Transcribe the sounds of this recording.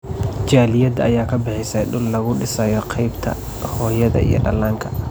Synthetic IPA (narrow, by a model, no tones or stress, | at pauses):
t͡ʃaːlɪjɐd̪ɐɐjaːkʰɐbɪħɪsɐjɖʊlːɐɣʊɖɪsɐːjɔqʰɑjbt̪ʰɐ̰ | hɔːjɐðɐ̰ʔḭjɞ̰ɖɐlːaːŋkʰɐ̥